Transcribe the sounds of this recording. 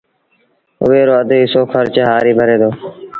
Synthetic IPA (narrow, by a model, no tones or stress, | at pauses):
ʊ̰ʋeːɾoːəd̪ʱɪsoːkʰəɾt͡ʃɦaːɾiːbʱəɾeːd̪oː